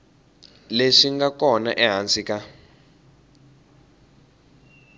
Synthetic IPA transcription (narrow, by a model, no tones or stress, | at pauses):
leʂiŋɡakɔnaʔɛɦant͡sʼika